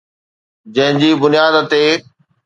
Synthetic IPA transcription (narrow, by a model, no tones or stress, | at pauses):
d͡ʑɐ̃ɦɪ̃ɲd͡ʑiːbʊnijaːd̪t̪eː